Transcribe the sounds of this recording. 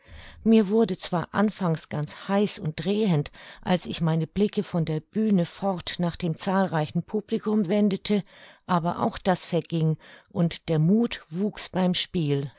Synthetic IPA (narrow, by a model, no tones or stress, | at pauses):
miːɐvʊɐdət͡sv̥aːɐʔa̰nfaŋsɡ̥ant͡shaɪsʊnt̚d̥ʁeːəntʔa̰lsɪçmaɪnəblɪkəfɔndeːɐb̥yːnəfɔʁtnaːχd̥eːmt͡saːlʁaɪçn̩pʰuːblikʊmvɛndətʰəʔaːbɐ̰ʔa̰ʊxd̥asfɛɐɡɪŋʔʊntd̥eːɐmuːtv̥uːksb̥aɪmʃpiːl